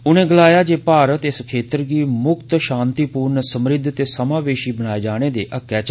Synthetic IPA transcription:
ʊnẽːɡəlaːjaːd͡ʒeːpaːɾət̪ɪskʰeːt̪əɾɡiːmʊkt̪ʃãːnt̪iːpuːɾnsəmɾɪd̪ʱːt̪eːsəmãːʋeːʃiːbənaːeːd͡ʒaːɽ̃eːd̪eːʔəkːɛːt͡ʃ

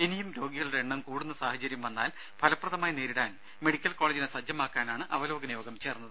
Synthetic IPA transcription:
enijumɾo̞ːɡiɣɐɭuɽeeɳːɐmkuːɽunːɐsaːhɐt͡ɕɐɾjɐmʋɐnːaːl | pʰɐlɐpːrɐðɐmaːjɐneːɾiɽaːn | meɽikʲːɐlko̞ːɭed͡ʑinesɐd͡ʑːɐmaːkːaːnaːɳɨʔɐʋɐlo̞ːɡɐnɐjo̞ːɡɐmt͡ɕe̞ːrnːɐðɨ

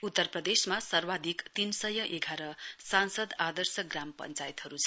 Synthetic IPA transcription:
ut̪ːʌrprʌd̪esmasʌrwad̪ʱikt̪insʌjʌʔeɡʱaɾʌsansʌd̪ad̪ʌrsʌɡrampʌ̰nt͡sajit̪ʌɾut͡sʰʌ̥

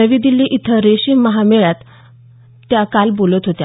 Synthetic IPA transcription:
əʋiːd̪ilːiːʔit̪ʰəɾeɕiːməɦameɭjat̪ː | jakalbolət̪ɦot̪ja

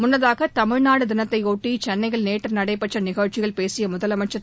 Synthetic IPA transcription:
mʊnːɐðaːɣɐt̪ɐmɪɻnaːɽɯd̪ɪnɐt̪ːɐɪoːʈːit͡ʃɛnːɐɪɣɐɭneːʈːɐnɐɽɐɪpːɐt͡ʃːrɐnɪɣɐːt͡ʃːɪɣɐɭpeːsɪjɐmʊðɐlɐmɐt͡ʃːɐ

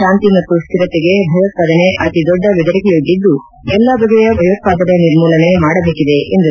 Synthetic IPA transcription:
aːnt̪imɐt̪ːusk̪iɾɐt̪ːeɡe̞bʱɐjʋɐt̪̚paːd̪ɐneʔɐt̪id̪ɔɖːɐʋid̪ɐɾɐkɛjod̪ːid̪ːu | ɛlːɐbɐd̪ɐjɐbʱɐjok̪̚paːd̪ɐɾɐniɾmuːlɐnemaːɽɐbeːkid̪e̞ʔend̪u

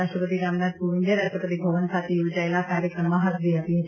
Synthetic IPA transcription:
aʃʈɾəpət̪iɾamnat̪puʋɪnd̪eɾaʃʈəpət̪ibʱɐʋənsʰaːt̪ʰijuːd͡ʒaelakaːɾjəkɾəmãɦət̪ʰd̪iap̪ĩ

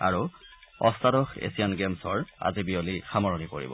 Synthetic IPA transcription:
a̰ɹuɔstadɔxḛsijanɡemsɔɹa̰zibiolixamɔɹɔnipoɹḭbɔ̰

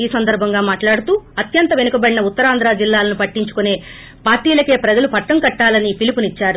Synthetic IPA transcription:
iːsɐnd̪ɐɾbʱɐŋɡaːmaːʈlaːɽut̪uːɐt̪jɐnt̪ɐʋe̞nukɐbɐɽinɐut̪ːɐɾaːnd̪ɾaːd͡ʒilːaːlɐnupɐʈːiɲt͡ʃu̥kune̞ː | paːɾʈːiːlɐke̞ːpɾɐd͡ʒɐlupɐʈːɐŋkɐʈːaːlɐnipilipunit͡ʃːaːɾu

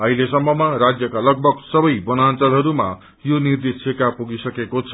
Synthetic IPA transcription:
ʌɦilesʌmːʌmarad͡zjʌkalʌɡ̚bʱʌɡsʌbʌjbʌnant͡sʌlɦʌɾuma̰ | jonird̪esekapuɡisʌkekot͡sʰʌ̥

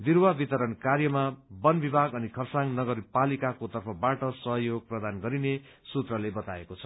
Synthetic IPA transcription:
d̪iɾwabit̪ʌɾʌnkarjʌmabʌnbibʱaɡʌnikʰʌrsaŋnʌɡʌrpalikakot̪ʌrpʰʌbaʈʌsʌɦʌjoɡ̚prʌd̪anɡʌɾine | sut̪rʌlebʌt̪aekot͡sʰʌ̥

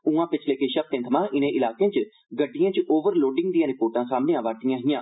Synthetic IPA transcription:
ũːãːpɪt͡ʃʰleːkeʃəb̚t̪ẽːt̪ʰəmãːʔɪnẽːʔɪlaːkẽːt͡ʃ | ɡəɖːɪjãːt͡ʃʔoːʋəɾloːɖɪŋɡd̪ĩjãːɾɪpoːɾʈãːsaːmneːãːʋaːʈɪjãːɦɪjãː

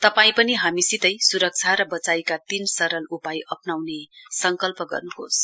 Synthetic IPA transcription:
t̪ʌpaĩpʌniɦamisit̪ʌjsuɾʌk̚t͡sʰaɾʌbʌt͡sajkat̪insʌɾʌlupajʔʌpnawnesʌŋkʌlpʌɡʌ̰rnuɦo̰s

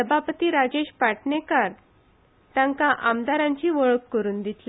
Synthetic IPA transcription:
səbʱapət̪iːɾad͡ʑeɕpaʈɳekaɾ | t̪ãŋkaʔamd̪aɾãɲt͡ɕiːʋəɭəkːəɾuːnd̪it̪la

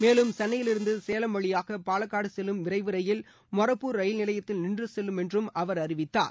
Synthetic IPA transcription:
meːlɯmsɐnːɐjɪlɪɾɯnd̪ɯseːlɐmʋɐɭɪjaːɣɐpaːlɐkːaːɽɯsɛlɯmʋɪrɐɪʋɯɾɐjɪl | mɔrɐpːuːɾɐjɪlnɪlɐjɐt̪ːɪlnɪndrɯsɛlːɯmɛndrɯmɐʋɐɾɐrɪʋɪt̪ːa̰ːɾ

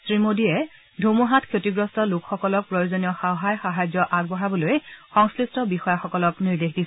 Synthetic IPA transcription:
sɹimodiɛ | dʱomuɦatkʰjotiɡɹɔstɔlukxɔkɔlɔk̚pɹojozonijɔxawɦajxaɦazjɔʔaɡ̚bɔɦabɔlojxɔŋskɹistɔbixɔjaxɔkɔlɔkniɹdexdis

